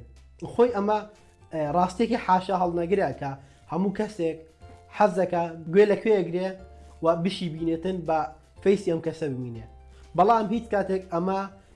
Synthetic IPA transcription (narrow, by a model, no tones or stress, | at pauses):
xojʔɐmɐ | rɑːst̪ijekeħaːʃɐɦɐlˠnɐɡɨɾɐkʰɐ | hɐmuːkɐsek̚ | ħazɐkɐɡwelɐkʰweɐɡɾewɐbɨʃiːbiːneːt̪ɨnbɐ | fejsiːɐmkɐsɐbɨmiːne | bɑlˠaːmɦiːt͡ʃkaːt̪ekɐmɐ